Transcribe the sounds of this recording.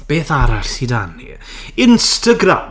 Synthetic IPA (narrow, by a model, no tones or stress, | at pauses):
b̥eːθaɾaɬidanːḭ | ɪnstəɡɾa̰m